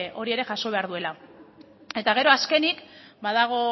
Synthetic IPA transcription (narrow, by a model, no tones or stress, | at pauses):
o̞ɾie̞ɾe̞ʝaso̞βe̞aɾðue̞la | e̞t̪aɣ̞e̞ɾo̞aske̞nikbaðaɣ̞o̞